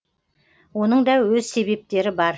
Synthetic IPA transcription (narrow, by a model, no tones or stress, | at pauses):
wo̞nəɴd̪ɑwɵzse̞βe̞p̚t̪e̞ɾɪbɑɾ